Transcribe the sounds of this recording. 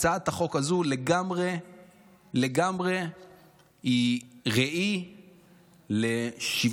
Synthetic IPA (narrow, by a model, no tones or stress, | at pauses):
t͡saat̪haχo̞khazule̞ɡamʁe | le̞ɡamʁe̞ | iʁeʔi | le̞ʃiv